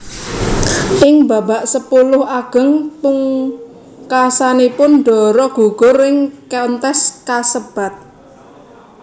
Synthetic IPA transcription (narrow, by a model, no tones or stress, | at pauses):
ʔɪŋba̤baʔsəpulʊhaɡ̥ə̤ŋpuŋ | kasanipʊnɖɔ̤ɾɔɡ̥ṳɡ̥ɔ̤rɪŋkɛnt̪ɛskasəb̥a̤t̪̚